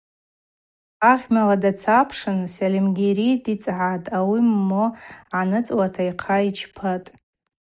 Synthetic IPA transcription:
aʁʲmaladat͡sʰapʰʂɨnsalimɡʲeɾidit͡sʼʕatʼawimːoʕanɨt͡sʼwatʰaiqʰait͡ʃʰpʰatʼ

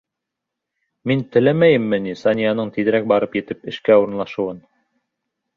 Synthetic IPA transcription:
mint̪ɘ̆læmæjɘ̆mːɘnisɑnʲijanɤɴt̪iðɘ̆ɾæk̚bɑɾɤpjɘ̆t̪ɘpɘ̆ʃkæuɾɤ̆nlˠɑʃɤ̆wɤn

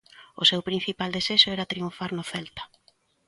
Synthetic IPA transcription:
ʊ̰sewpɾĩn̟θipald̪esɛʃʊɛɾat̪ɾiuɱfaɾnʊθɛlt̪ḁ

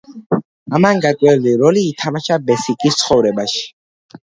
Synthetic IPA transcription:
amanɡakʼwɛldiɾɔliːt̪ʰamaʃabɛsikʼist̪sʰχɔvɾɛbaʃi̥

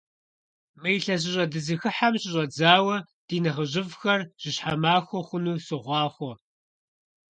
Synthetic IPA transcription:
mɐjɬɐɕ̬ɪɕʷʼɐdɨzɨxɨħamɕɪʑʼɐd͡zaːwɐ | d̥iːnɐʁəʑɪvxɐrʒ̥ɪɕħamaːxʷɔχʷʊnuːsɨʁʷɑːχʷɔ

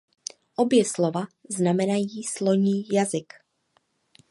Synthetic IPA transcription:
ʔobjɛslovaznamɛnajiːsloɲiːjazɪk

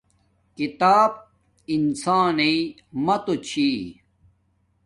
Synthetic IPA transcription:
kit̪aːb̚ | insaːnei | mɐt̪ot͡ɕʰiː

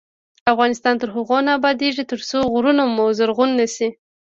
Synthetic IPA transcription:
afɣɑnɪst̪ɑnt̪əɾɦaɣonaːbɑd̪eʐit̪əɾt͡soɣɾunomozaɾɣunːəsi

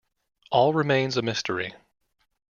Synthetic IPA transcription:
ʔɔlˠɹɨmẽɪ̃nzɨmɪstʰə˞i

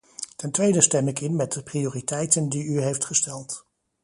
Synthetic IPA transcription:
tɛntʋejdəstɛmɪkɪnmɛt̚dəprioːritɛjtəndiyɦejftχəstɛlˠt

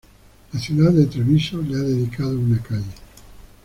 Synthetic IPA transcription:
laθjuðaðet̪ɾeβisoleaðeðikað̞ounakaʎe

